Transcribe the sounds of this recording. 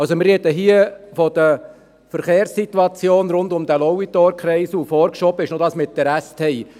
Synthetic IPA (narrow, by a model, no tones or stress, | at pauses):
ɑlsomɪrɛt̪əɦiəfɔd̥̪ə | fəɾχeːɾsːit̪wɑt͡sjoːnɾʊnd̪ʊmd̪ælɔwit̪ɔɾkχɾɛɪsufɔːɾkʃɔbəɪʃnod̪ɑːsmɪt̪d̥əɾæst̪ʰhɛj